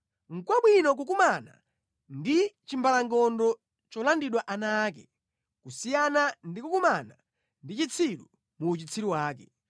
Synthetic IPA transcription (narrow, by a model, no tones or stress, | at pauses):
ŋ̩kwaɓwinɔk̬ukumana̰ | ndit͡ʃimbalaŋɡɔndɔ | t͡ʃɔlandiɗwaʔanaːk̬ɛ | kusijanandikukumana | ndit͡ʃit͡sʰilṵ | muːt͡ʃit͡sʰiɾiwaːkɛ